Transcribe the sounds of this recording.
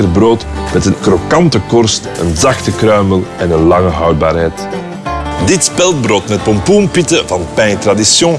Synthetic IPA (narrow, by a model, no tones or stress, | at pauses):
ərbroːtmɛtənkɾokɑntəkɔrstənzɑxtəkɾœɥməlɛnənlɑŋəɦœwd̚ba̰ːrɦɛjt | dɪtspɛlˠd̚broːtmɛt̚pɔmpumpitəvɑnpɛjntradisjɔ̃